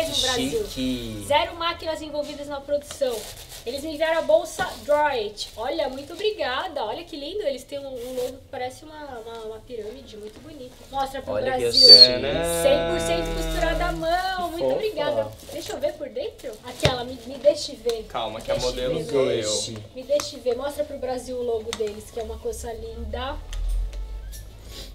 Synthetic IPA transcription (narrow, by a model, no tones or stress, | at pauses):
eʊbɾaziwzɛɾʊmakinɐzẽvowvid̪ɐznɐpɾod̪usɐ̃w̃ | elɪzmɪd͡ʒiɡ̪aɾɐ̃ɐbowsɐd̪ɾajet͡ʃɔʎɐmũj̃t̪ʊobɾiɡad̪ɐɔʎɐkɪlĩnd̪ʊelɪst̪ẽj̃ũũloɡʊkɪ̥paɾɛsɪũmɐũmɐũmɐpiɾɐ̃mid͡ʒɪmũj̃t̪ʊbunit̪ɐmɔst̪ɾɐpɾʊbɾɾaziwɛsẽj̃poɾsẽnt̪ʊ̥kust̪uɾad̪ɐmɐ̃ww̃mũj̃t̪ʊobɾiɡad̪ɐd̪ejʃovepoɾd̪ẽnt̪ɾʊakɛlɐmɪmɪd̪eʃɪvekawmɐkd̪ɛeʃod̪evloemɪd̪eʃɪvemɔst̪ɾɐpɾʊbɾaziwʊloɡʊd̪elɪskɪɛũmɐkojzɐlĩd̪ɐ